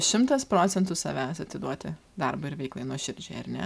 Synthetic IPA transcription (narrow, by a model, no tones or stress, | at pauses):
ʃʲɪmt̪ɐspɾoːt̪sʲɛnt̪ʊsɐ̰ʋʲæsɐt̪ʲɪd̪uɔt̪ʲɪ | d̪ɐɾbʊɪɾʲʋʲɛɪklˠɐɪnuɔʃʲɪɾʲd͡ʒʲeːɐ̰ɾnʲɛ̰